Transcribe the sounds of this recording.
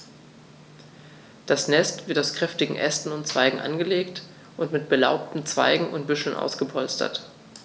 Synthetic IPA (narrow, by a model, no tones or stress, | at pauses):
d̥asnɛstv̥ɪɐtaʊskʁ̥ɛftɪɡŋ̩ʔɛstn̩ʊntt͡sv̥aɪɡŋ̩ʔa̰nɡəleːkt | ʔʊntmɪt̚b̥əla̰ʊp̚tn̩t͡sv̥a̰ɪɡŋ̩ʊntb̥ʏʃl̩nʔa̰ʊsɡ̥əpʰɔlstɐ̰t